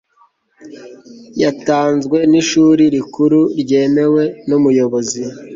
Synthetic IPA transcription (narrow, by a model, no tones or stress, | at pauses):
jataːnzɡwe̞niʃuːɾiɾikuɾuɾɟe̞ːme̞we̞numujo̞βo̞zi